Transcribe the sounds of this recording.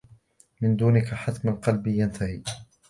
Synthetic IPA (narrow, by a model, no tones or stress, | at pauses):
mɪnd̪uːnɪkaħat̪malqɑlbijant̪ʰahiː